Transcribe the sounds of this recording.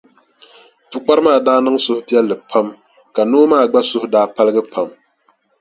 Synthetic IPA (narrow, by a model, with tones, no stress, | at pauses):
tʊ˨k͡pa˦ɾɨ˦maː˦˨daː˦nɨ˦ŋ˦sʊ˦hʊ˦pi˦ɛ˦lːɨ˨pʰa˦m | ka˨noː˦maː˦˨ɡ͡ba˦sʊ˦hʊ˦daː˦pa˦lɨ˦ɡɨ˦pʰa˦m